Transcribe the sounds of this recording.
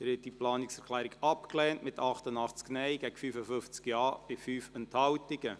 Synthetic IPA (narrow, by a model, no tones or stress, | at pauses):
ɛɾhɛt̚diplɑːnɪksɛɾkʰlæːɾɪɡɑpklɛːntmɪtɑχtənɑχt͡sknɛɪɡɛɡ̥əfyːfəfʏft͡skjɑːb̥ɪfyːfɛnthɑwtɪɡə